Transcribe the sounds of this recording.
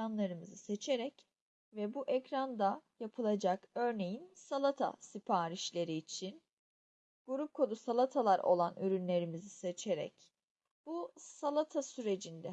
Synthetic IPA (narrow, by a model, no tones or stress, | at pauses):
anlˠaɾɯmɯzɯse̞t͡ʃʰe̞ɾɛc | vɛbuʔɛcɾand̪ajapʰɯlˠad͡ʒakø̞ɾne̞jinsalˠat̪ʰa̰sipʰaːɾiʃlʲe̞ɾiːt͡ʃʰin | ɡ̥uɾup̚kʰo̞d̪usalˠat̪ʰalˠaɾo̞̰lˠanʔyɾynlʲe̞ɾimizise̞t͡ʃʰe̞ɾɛ̰c | b̥usalˠat̪ʰasyɾe̞d͡ʒind̪ɛ